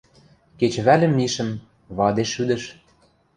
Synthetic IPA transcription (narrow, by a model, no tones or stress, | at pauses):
ket͡ɕβælʲɘ̆mːiʃə̆m | βɑd̪eʃyd̪ə̆ʃ